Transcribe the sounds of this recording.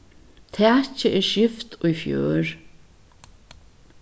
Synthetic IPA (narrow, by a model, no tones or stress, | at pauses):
t̪ʰɛːt͡ɕəʔɛɹʃɪft̪ʊjfjø̰ːɹ